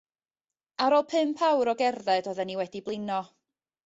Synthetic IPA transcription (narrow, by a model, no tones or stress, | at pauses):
aɾɔlˠpʰɨmpʰawɾɔɡɛrðɛdɔðɛniwɛdiblˠɪnɔ